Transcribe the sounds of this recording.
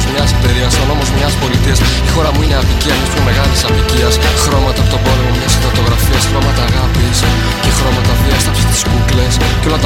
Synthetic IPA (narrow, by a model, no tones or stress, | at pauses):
zmɲɐspeɾiɐsono̞mo̞zmɲɐspo̞lit̪iɐs | ixo̞ɾɐmuine̞ɐviciɐnist̪umeme̞ɣɐlisɐviciɐsxɾo̞mɐt̪ɐput̪ɐpɐɾunemɲɐsiθot̪o̞ɣɾɐfiɐsxɾo̞mɐt̪ɐːɣɐpis | ce̞xɾo̞mɐt̪ɐviɐst̪ɐpse̥st̪i̥skukle̞s | ceo̞lɐt̪